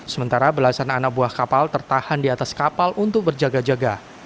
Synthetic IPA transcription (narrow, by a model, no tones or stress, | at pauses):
səmənt̪aɾabəlasananak̚buahkapalt̪ərt̪ahandiat̪askapalʔunt̪ʊk̚bərd͡ʒaɡad͡ʒaɡa